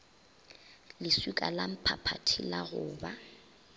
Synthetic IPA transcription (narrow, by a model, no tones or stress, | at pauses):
lɪsukʼa̰lam̩pʰapʰatʰilaɣʊːba